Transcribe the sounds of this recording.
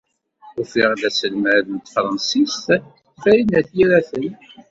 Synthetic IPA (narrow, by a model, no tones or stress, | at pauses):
ʊfiʁlæsəlməɾðənt̪fɾˤɑnsist̪ | fæɾinæθjiɾæθən